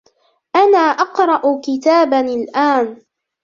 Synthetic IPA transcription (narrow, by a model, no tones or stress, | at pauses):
ʔanaːʔɑqɾˤɑʔʊkɪt̪aːbanɪlʔaːn